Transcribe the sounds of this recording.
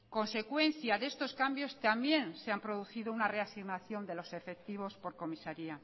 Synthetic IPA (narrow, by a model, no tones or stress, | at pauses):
ko̞nse̞kwe̞nθjaðe̞st̪o̞skambjo̞st̪ambje̞nseampɾoðuθiðounare̞asiɣnaθjo̞nd̪e̞lo̞se̞fe̞k̚t̪iβ̞o̞spo̞ɾko̞misaɾia